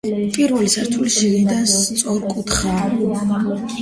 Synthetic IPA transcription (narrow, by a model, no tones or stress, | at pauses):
pʼiɾvɛlisaɾt̪ʰuliʃilid̪anst̪sʼɔɾkʼut̪ʰχa